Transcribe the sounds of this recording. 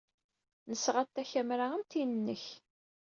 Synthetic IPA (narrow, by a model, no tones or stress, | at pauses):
nəsʁat̪ːæçæmɾaæmt̪inənːəç